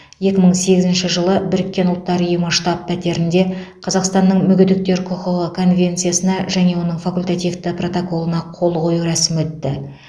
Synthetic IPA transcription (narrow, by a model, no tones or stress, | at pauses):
je̞kʲɪməɴse̞ɡʲɪzɪnʃɪʒəlˠəbɪɾɪkʲːe̞nʊlˠt̪ːɑɾəʊjəməʃt̪ɑpʰːæt̪e̞ɾɪnd̪e̞qʰɑzɑqst̪ɑnːəɴmʏɡʲɪd̪ɪk̚t̪e̞ɾkʰʊqəʁəkʰo̞nvʲe̞nt̪sɨjasənɑʒæne̞wo̞nəɴfɑkulʲt̪at̪ijft̪ɪpro̞t̪oko̞lˠənɑqʰo̞lˠqʰo̞juɾæsɪmwɵt̪ːɪ